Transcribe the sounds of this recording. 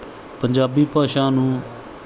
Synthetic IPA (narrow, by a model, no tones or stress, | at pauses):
pəɲd͡ʒaːbiːpaːʃãːnũː